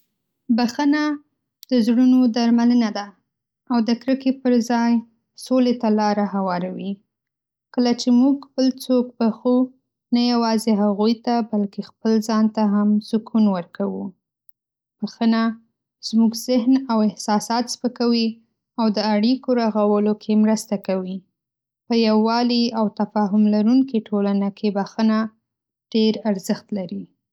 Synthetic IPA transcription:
baxəna | d̪̥əzɽunod̪aɾmalənad̪a | awd̪əkɾəkepəɾzɑj | solet̪alɑɾahawɑɾawi | kəlat͡ʃemuɡbəlt͡sok̚baxu | najawɑzeɦaɣujt̪abalkexpəlzɑnt̪aɦamz̥ʊkunwəɾkawu | baxəna | z̥muɡzɪɦnawɪhsɑsɑt̪spəkawi | awd̪əaɽikoɾaɣawəlokʰemɾəst̪akawi | pəjawːɑliawt̪afɑɦʊmlaɾuŋkiʈʰolanakʰebaxəna | ɖ̥eɾaɾzəxt̪laɾi

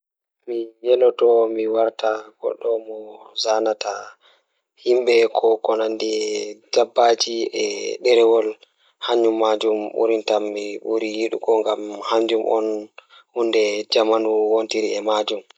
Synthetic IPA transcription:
mijɛlɔtɔmiwaɾtaɡ̥ɔ̰ɗːɔmɔzanata | himɓɛkʰɔkɔnandid͡ʒabːad͡ʒiɛɗɛɾɛwɔl | haɲːumːad͡ʒumɓṵɾintamːiɓuɾijiɗṵkɔŋɡamhaɲd͡ʒumʔɔ̰n | hundɛd͡ʒamanuwontiɾiɛmad͡ʒum

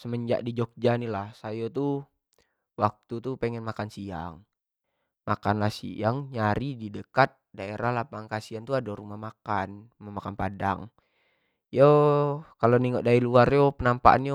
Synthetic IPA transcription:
səməɲd͡ʒa̰ʔdid͡ʒɔk̚d͡ʒanilahsajot̪u | wak̚t̪ut̪upeŋɛnmakansia̰ŋ | makanlahsḭaŋɲaɾididəkat̪̚daeɾʔahlapaŋkasiant̪uadoɾumahmakanumamakanpada̰ŋ | jokaloniŋoʔdailuarjopənampaʔa̰njo

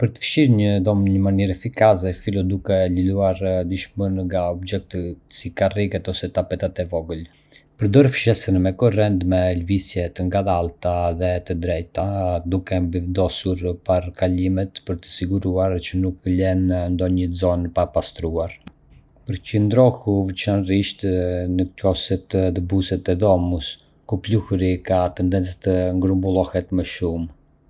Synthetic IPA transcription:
pəɾt̪ə̥fʃiɾɲəðɔmɲəmaniɾɛfikas̬ɛfilɔd̪ukɛliluaɾd̪iʃmənŋɡaɔbd͡ʒɛk̚t̪əsikarikɛt̪ɔsɛt̪apɛt̪at̪ɛvɔɡəl | pəɾd̪ɔɾfʃɛsənmɛkɔrɛnd̪mɛlvisjɛt̪əŋɡaðalˠt̪aðɛt̪əd̪ɾɛjt̪ad̪ukɛmbivd̪ɔsuɾpaɾkalimɛt̪pəɾt̪ə̥siɡuɾuaɾt͡ʃənuklɛnnd̪ɔɲəzɔnpapast̪ɾuaɾ | pəɾcənd̪ɾɔhuvət͡ʃanriʃt̪nəkɔsɛt̪əðəbusɛt̪ɛðɔmus | kupluhɾikat̪ɛnd̪ɛnt͡st̪əŋɡɾumbulˠɔhɛt̪məʃum

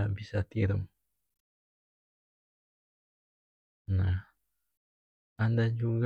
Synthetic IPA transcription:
bisat̪ieɾum | na | and̪ad͡ʒuɡ

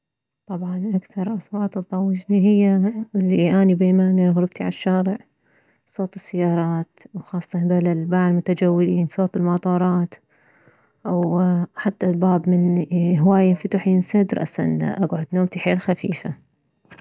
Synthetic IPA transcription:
t̪ˤɑbʕɑnʔakθɑɾˤʔɑswɑːt̪ˤt̪ˤːɑwːɪd͡ʒniɦɪjːalːiʔaːnibeːmaːniɣɾɪb̚t̪iʕa̰lʃːaːɾɪʕ | sˤoːt̪ˤɨsːajːɑːɾˤɑːt̪wxɑːsˤːɑhd̪aːlalbaʕlmʊt̪ad͡ʒawːɪliːnsˤoːt̪ˤɪlmɑt̪ˤɑːɾˤɑːt̪ | ʔwħat̪ːalbaːbmɪnhwaːjɪnfʊt̪ʊħɪnsad̪ɾˤʔa̰sa̰nːa̰ʔaɡʕʊd̪noːmt̪iħeːlxafiːfa

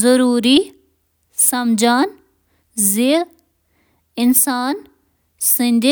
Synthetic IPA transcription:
zɐɾuːɾi | sɐmd͡ʒaːn | zi | ɪnsaːn | sɪ̃nd̪e

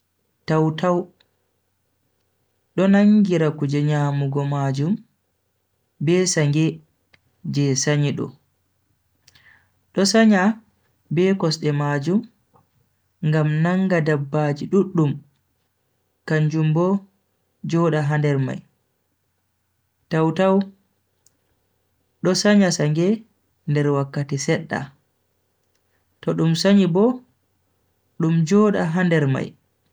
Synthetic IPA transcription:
tawtaw | ɗɔnaŋɡiɾakud͡ʒɛɲaːmuɡɔmaːd͡ʒum | bɛsaŋɡɛ | d͡ʒɛsaɲiɗɔ̰ | ɗɔsaɲa | bɛkɔsɗɛmad͡ʒum | ŋɡamnaŋɡadabːad͡ʒiɗuɗːum | kaɲd͡ʒumbɔ | d͡ʒɔːɗaɦandɛɾma̰j | tawtaw | ɗɔsaɲasaŋɡɛ | ndɛɾwakːatisɛɗːa̰ | tɔɗumsaɲibɔ | ɗumd͡ʒɔːɗaɦandɛɾma̰j

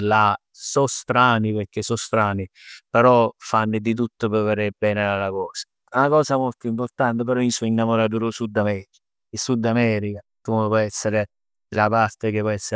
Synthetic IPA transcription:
la | sɔst̪ɾaːniperk̟esɔst̪ɾaːnipeɾɔfanːɪd̪it̪̬ut̪ːopeveɾebɛːnɪalakɔːsḁ | unakɔːsamolt̪ʊimport̪ant̪epeɾɔinsɔinːamoɾat̪uːɾosud̪ːamɛːɾika | isud̪ːamɛːɾikakumepwɔjɛsːeɾe | lapart̪ek̟ɪpːwɔjɛsːe

